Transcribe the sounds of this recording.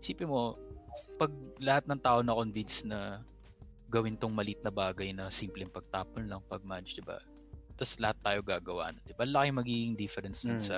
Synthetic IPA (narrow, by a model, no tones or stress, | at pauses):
hɪsiːpɛmo̞ | pɐɡ̚lɐhat̪̚nɐŋt̪aːʔonɐko̞nvinsnɐ | ɡɐwɪnt̪oŋmɐlit̪̚nɐbaːɡɐjnɐsimplɛŋpɐɡ̚t̪aːponlɐŋpɐɡ̚mat͡ʃd̪ɪba̰ | t̪ɐslɐhat̪ːaːjo̞ɡaːɡɐwa̰ːʔnond̪ɪbalɐkɪŋmɐɡiːɡɪŋd̪ɪfɛɾɛnsd̪ɪnsɐ